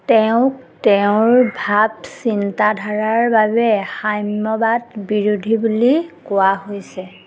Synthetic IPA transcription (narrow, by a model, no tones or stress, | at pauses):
tɛʊ̃ktɛʊ̃ɹbʱabsintadʱaɹaɹbabɛxajmɔbatbiɹudʱibulikʊwaɦojsɛ